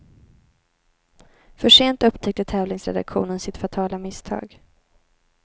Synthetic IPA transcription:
fœʂeːnt̪ɵpːt̪ʰɛk̚t̪ət̪ʰɛːvlɪŋsɾɛ̰d̪a̰kɧṵːnənsɪt̪fat̪ʰɑːlamɪst̪ʰɑ̰ːɡ

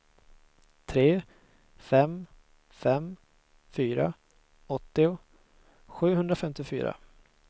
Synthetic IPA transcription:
t̪ʰɾeː | fɛm | fɛm | fyːɾa | ɔt̪ːɪʊ | ɧʉ̟ːɦɵnd̪ɾafɛmt̪ɪfy̰ːɾa̰

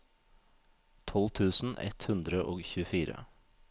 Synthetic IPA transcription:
t̪ʰɔlt̪ʰʉːsn̩ʔɛ̰t̪hʉnd̪ɾəʔoːɡçʉfiːɾə̰

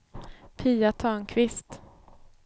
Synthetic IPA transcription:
pʰiːat̪ʰœːnkʰvɪst̪

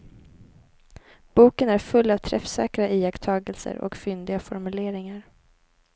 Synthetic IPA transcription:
b̥uːkənæɾfɵlːavt̪ʰɾɛfsɛ̰ːkɾaʔiːɛkt̪ʰɑːɡəlsə̰ɾʔɔ̰kfʏnd̪ɪɡafɔɾmɵleːɾɪŋaɾ

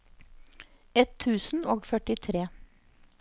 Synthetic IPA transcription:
ɛt̪ʰːʉːsn̩oːɡfœʈɪt̪ʰɾeː

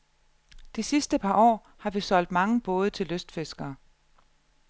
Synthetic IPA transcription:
d̥isisd̥əpʰɑ̈ɒ̰ː | hɑ̈ʋisɒ̽l̰d̥mɑ̈ŋəb̥ɔ̽ːð̞̩ˠət͡sʰe̝lːøsd̥fesɡ̥ɐː

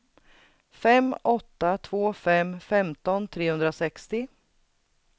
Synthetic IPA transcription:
fɛmːɔt̪ːat̪ʰvoːfɛmfɛmt̪ɔnt̪ʰɾeːhɵnd̪ɾasɛkst̪ɪ

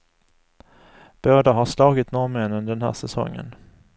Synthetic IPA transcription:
b̥oːd̪aɦaʂlɑːɡɪt̪nɔɾmɛnɵnd̪ɛnhæ̰ːʂɛsɔ̰ŋːə̰n

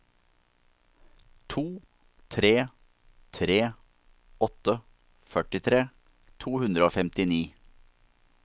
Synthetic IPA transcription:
t̪ʰuː | t̪ʰɾeː | t̪ʰɾeː | ɔt̪ə | fœʈɪt̪ʰɾeː | t̪ʰuːhʉnd̪ɾəoːfɛmt̪ɪniː

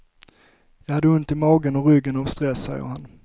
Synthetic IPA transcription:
jɑːɡhad̪ːəɵnt̪ɪmɑːɡənɔɾʏɡːənɔvst̪ɾɛsːɛ̰jːə̰ɾhan

